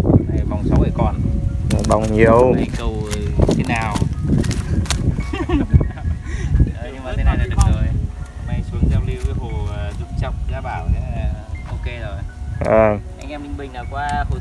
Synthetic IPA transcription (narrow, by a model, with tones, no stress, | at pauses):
a˨˩va˨˩wŋ͡msa˧˦wʔə˨˧˩jkɔ˨˩n˨˩ɓa˨˩wŋ͡mɲi˨˩˨əwkə˧˩wɲ˧t̪ʰe˨˦naː˨˩w | ə˨˩ɲɨ˧ŋmaː˨˩e˨˧˦na˨jla˨˧˦zoː˨˩j | ma˧˩jsu˧əŋza˧mli˧wvə˧˦ɦo˨˩ə˨˩zu˦˥p̚t͡ɕa˨˩wk͡p̚zaː˧ɓaː˧˩wa˧˦˨ʔo˧ke˧zo˨˩jʔəː˨˩ʔa˧jŋ̟ʔɛ˧mï˧ŋ̟ɓï̟˨˩naː˨˩wkwaː˧ho˧˩